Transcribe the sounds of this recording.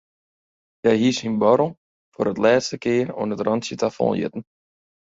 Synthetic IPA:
jɛɦishinbɔɾl̩ˠ | fʊ̰ːɾətlɛːstəkɪəro̰ənətrɑntsjətʰafɔ̰̃ːjɪ̰tn̩

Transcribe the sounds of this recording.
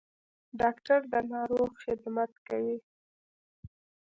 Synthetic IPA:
ɖɑkʈaɾd̪ənɑɾoɣxɪd̪mat̪kawi

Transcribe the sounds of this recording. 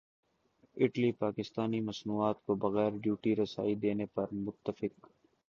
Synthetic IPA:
ɪʈlipaːkɪst̪aːnimɐsnuːaːt̪kobɐɣɛːɾɖjuːʈiɾɐsa̰ːid̪eːnepɐɾmʊt̪ːəfɪk

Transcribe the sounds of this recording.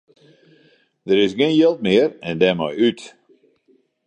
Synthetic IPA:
dəɾɪsɡɪnjɪlˠt̚mɪərɛndɛmɔ̰jyt

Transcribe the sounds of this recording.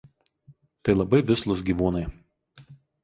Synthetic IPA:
t̪ɐɪlˠɐbɐɪʋʲɪslˠʊs̬ɡʲiːʋuːnɐɪ

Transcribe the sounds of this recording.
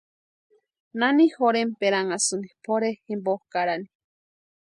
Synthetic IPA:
nanihoɾempeɾaŋasunipʰoɾehimbohkaɾani

